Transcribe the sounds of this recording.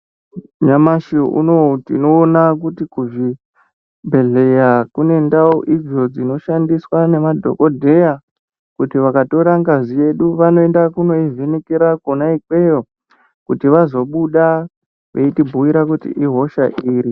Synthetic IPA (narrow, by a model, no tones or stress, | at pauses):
ɲamaʃḭṵnotḭno̞ːnak̬utikuʐi | mbʱe̞ɮe̞jakune̞ndaoʔid͡zo̞d͡zino̞ʃandiswane̞madʱo̞̰kodʱe̞ja | kutiʋakato̞ɾaŋɡazije̞ɗuʋano̞e̞ndakuno̞ivenikiɾakonaikwe̞jo | kutiʋazo̞ɓuɗa | ʋḛitibʱuwiɾakutḭʔiɦo̞ʃaʔiːɾi